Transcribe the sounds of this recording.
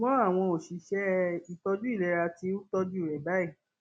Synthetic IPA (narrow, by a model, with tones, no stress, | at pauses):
mɔ̃˨˦a˦˨w̃ɔ̃˧o˨ʃi˨˧ʃɛ˦i˨tɔ˧d͡ʒu˦i˦˨ɛ˨˧˦ɾa˧ti˧˦u˦tɔ˧d͡ʒu˦˨ɾɛ˨ba˨˦i˦˨